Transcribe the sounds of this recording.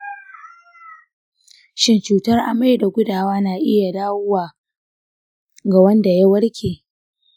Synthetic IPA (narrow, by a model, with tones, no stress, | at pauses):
ʃɪ˦nt͡ʃuː˨tɐ˦rʔa˨ma˦jda˨ɡʷʊ˦daː˨waː˦naː˨ʔɪ˦ja˨daː˦wʊ˦waː˨ | ɡa˨wɐ˦nda˨ja˦wɐ˦ɽkʲʰeː˨